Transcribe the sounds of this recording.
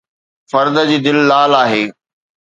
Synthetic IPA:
fɐɾd̪əd͡ʑiːd̪ɪlːaːlaːɦeː

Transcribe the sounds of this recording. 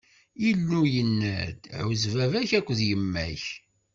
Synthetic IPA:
ilːujənːæd̪ʕuzvævæçækʷːəðjəmːæç

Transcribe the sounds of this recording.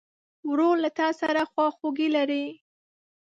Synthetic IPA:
wɾolat̪ɑsaɾaxwɑxoɡilaɾi

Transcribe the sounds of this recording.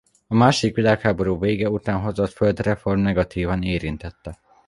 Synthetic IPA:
ɒmaːʃod̪ikʋilaːkhaːbo̞ɾuːveːɡɛut̪aːnɦo̞zot̪føld̪rɛfo̞rmnɛɡɒt̪iːvɒneːɾint̪ɛt̪ːɛ

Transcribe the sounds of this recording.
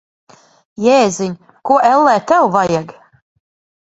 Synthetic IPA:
jɛːziɲʲ | kuɔʔɛlˠːɛːt̪ɛwvajaɡ

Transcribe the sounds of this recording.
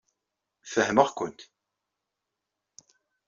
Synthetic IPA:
fəhməʁkʷʊnt̪

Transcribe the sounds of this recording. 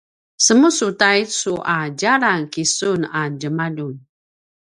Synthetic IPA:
səmusutaisuʔad͡ʒaɾankisunad͡ʒəmadun

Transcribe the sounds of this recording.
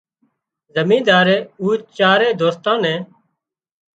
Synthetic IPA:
zəmĩːd̪aːɾeːuːt͡ʃt͡ʃaːɾeːd̪oːst̪ãːnɛ̃ː

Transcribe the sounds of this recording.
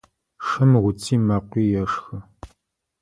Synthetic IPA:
ʂɐmʁʷʊt͡sʰʼiːmɐqʷiːjɛʂxɐ

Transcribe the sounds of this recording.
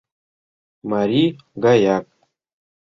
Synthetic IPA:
maɾi | ɡajak̚

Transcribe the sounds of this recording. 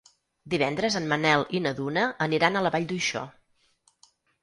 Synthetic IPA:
d̪iβ̞ɛnd̪ɾəzənmənɛlˠinəðunəːniɾanələβaʎd̪ujʃɔ̰

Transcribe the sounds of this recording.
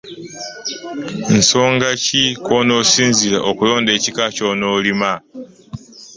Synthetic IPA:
n̩so̞ːŋɡacikono̞siːnziɾaʔokulo̞ːnde̞ːcikaco̞ːnoːlima

